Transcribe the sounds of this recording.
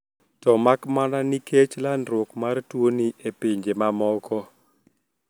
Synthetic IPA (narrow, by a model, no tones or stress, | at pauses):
tɔmakmananikʰet͡ʃlanɾwʊkmartwoniʔepiɲd͡ʒemamɔkɔ